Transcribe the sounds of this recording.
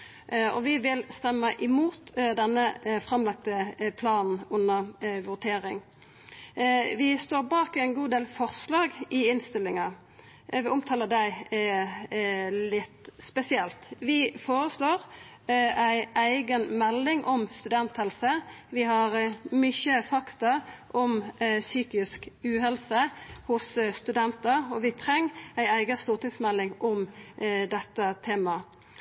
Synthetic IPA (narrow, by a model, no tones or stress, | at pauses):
ɔ̰ʋɪʋɪlst̪ɛmːəʔɪmuːt̪d̪ɛnːəfʁɑmlɑk̚t̪əpʰlɑːnn̩ʊnːəʁʋʊt̪ʰeːɾɪŋ | ʋɪst̪oːɾbɑːkɪæɪnɡuːd̪eːlfɔʁslɑːɡɪɪnst̪ɪlːɪŋɑ | ʋɪɔmt̪ʰɑːləd̪æɪ | lɪt̪spɛsɪɛlt̪ʋɪfoːɾəsloːɾ | æɪæɪɡənmɛlːɪŋʔɔmst̪ʉd̪ɛnt̪hɛlsəʋɪhɑɾmʏçəfɑkt̪ɑʔɔmsyːkɪskʉːɦɛlsəhʊsst̪ʉd̪ɛnt̪əɔʋɪt̪ʰɾɛŋːæɪæɪɡəst̪uːʁt̪ɪŋsmɛlːɪŋʔɔmd̪ɛt̪ːət̪ʰeːmɑ